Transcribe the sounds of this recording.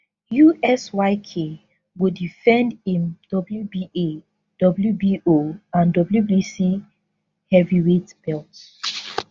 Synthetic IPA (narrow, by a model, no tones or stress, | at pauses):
juɛswaɪkʰe | wudifɛ̃ndĩmd̥ɔbljubie | d̥ɔbljubiʔoãndɔbljubisi | hɛviɹetb̥ɛlt